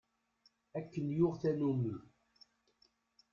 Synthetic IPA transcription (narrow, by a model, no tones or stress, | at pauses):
ækːənjʊʁθænumə